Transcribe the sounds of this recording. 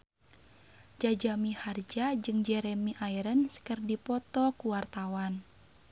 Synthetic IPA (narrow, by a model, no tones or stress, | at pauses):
d͡ʒad͡ʒamihard͡ʒad͡ʒɨŋd͡ʒɛɾɛmiʔaiɾənsə̥kərdipɔt̪ɔkuwart̪awan